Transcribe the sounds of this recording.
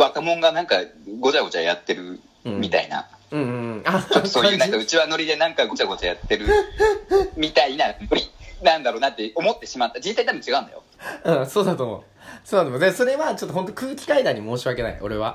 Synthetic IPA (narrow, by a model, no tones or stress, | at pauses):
βakamõ̞ŋɡanãŋka̰ɡo̞t͡ɕaɡo̞t͡ɕa̰ja̰t̪ːe̞ɾɯ̟̃ | mʲit̪a̰ḭna̰ | ɯ̟̃ːasoːɯnãkaɯ̟t͡ɕiβano̞ɾʲid̪e̞nãŋkaɡo̞t͡ɕaɡo̞t͡ɕajat̪ːe̞ɾɯ̟ | mʲit̪ainanoɾʲinãnd̪aɾo̞ːnat̪ːe̞o̞mo̞t̪ːe̞ɕimat̪ːad͡ʑĩsait̪ab̟ɲt͡ɕiɡaɯ̃nd̪ajo̰ | ɯ̟̃ːso̞ːd̪at̪oːmo̞̰ | soːd̪at̪omod̪eso̞ɾe̞βat͡ɕo̞t̪ːɦo̞nt̪̬okɯːkʲi̥kaid̪ãɲ̟ːimo̞ːɕiβake̞naḭo̞ɾe̞βa